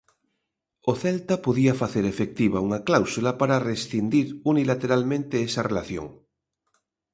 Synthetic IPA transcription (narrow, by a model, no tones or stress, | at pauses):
oθɛlt̪apoðiɐfaθeɾefek̚t̪iβauŋaklawsulapaɾaresθind̪iɾunilat̪eɾalmẽnt̪eesɐrelaθjo̰ŋ